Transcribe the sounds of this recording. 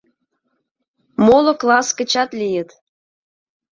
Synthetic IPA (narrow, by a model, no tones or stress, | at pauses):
molŏklɑskə̆t͡ɕɑt̪lʲijə̆t̪